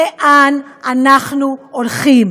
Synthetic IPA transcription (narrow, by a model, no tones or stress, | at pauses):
eʔananaχnuoɾχim